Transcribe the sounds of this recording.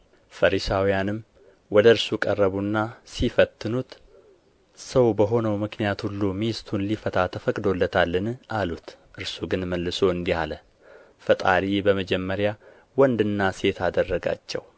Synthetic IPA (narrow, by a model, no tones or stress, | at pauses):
fəɾisawijanɨm | wɔd̪əɾsukʼərːəβunːasifət̪ːɨnut̪ | səwbəɦo̞nəwmɨknijat̪hulːumist̪ʰunlifət̪ʰat̪ʰəfəkʼd̪o̞lːət̪ʰalːɨnʔalut̪ | ʔɨɾsuɡɨnməlːɨso̞ɨnd̪ihalə | fət̪ʼa̰ɾibəməd͡ʒɛmːəɾja | wɔnd̪ɨnːase̞t̪ʰad̪ərːəɡa̰t͡ʃːɛ̰w